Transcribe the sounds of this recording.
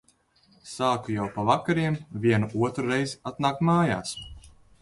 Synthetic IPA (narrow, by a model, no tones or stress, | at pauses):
saːkujawpavakaɾiɛmviɛnuʔuɔt̪ɾuɾɛjziat̪naːkmaːja̰ːs